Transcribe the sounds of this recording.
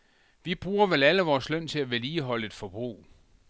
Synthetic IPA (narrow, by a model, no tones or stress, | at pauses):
ʋib̥ʁuːɐʋelæləʋɒːslœn̰t͡sʰe̝læʋeliːɦɒ̽ləe̝d̥fɒb̥ʁṵː